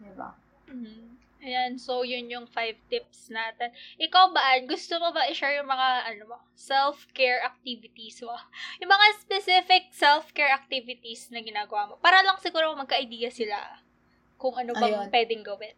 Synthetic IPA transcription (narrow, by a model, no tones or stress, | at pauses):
d̪ɪba̰ | m̩h̩ | ʔɐjansowjʊnjʊŋfajvt̪ɪp̚snaːt̪ɛnʔɪkawbɐʔanɡʊst̪omobɐʔɪʃɛɹjʊŋmɐŋaʔɐnomo | sɛlfkɛɹʔɐk̚t̪iːvɪt̪ismɐjʊŋmɐŋaspɛsɪfɪk̚sɛlfkɛɹʔɐk̚t̪ivɪt̪isnɐɡɪnaːɡɐwaːmo̞paːɾɐlɐŋsɪɡuːɾomɐmɐɡ̚kɐʔɐjd̪iːjɐsɪla̰ | kʊŋʔɐnobɐpwɛːd̪ɛŋɡɐwɛt̪